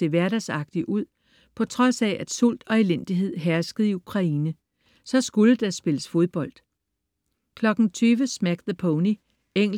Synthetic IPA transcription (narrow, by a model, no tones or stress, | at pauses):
e̝ʋæɐɾæsɑ̈ɡ̥̚d̥iʔuð̞̰ˠ | pʰɒ̽t͡sʰʁɒ̽sɛʔæd̥sul̰d̥ɒ̽e̝len̰d̥iɦe̝ð̞̰ˠɦæɐsɡ̥əð̞̩ˠiukʰʁɑ̈iːnə | sɒ̽sɡ̥uləd̥æsb̥e̝ləsfo̝ð̞ˠb̥ɒ̽l̰d̥ | kʰlɒ̽ɡ̥n̩t͡sʰyːʋəsmæɡ̥ðəpʰoʊni | eŋ̰